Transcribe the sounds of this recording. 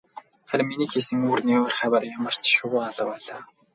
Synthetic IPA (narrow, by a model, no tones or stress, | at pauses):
χæɾʲmːiniːxesɘ̆ŋuːrniːʊrχæwərjamə̆r̥t͡ɕʃʊwʊːaɮə̆wæːɮaː